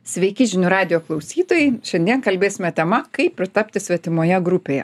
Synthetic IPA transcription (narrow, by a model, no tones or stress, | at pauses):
sʲʋʲɛɪkʲɪʒʲɪnʲuɾɑːd̪ʲɪjoːklˠɐʊsʲiːt̪oːjɛɪʃʲɛnd̪ʲiɛnkɐlʲbʲeːsʲɪmʲɛt̪ʲɛmɐkɐɪpʲːɾʲɪt̪ɑpʲt̪ʲɪsʲʋʲɛt̪ʲɪmoːjɛɡɾʊpʲeːjɛ̰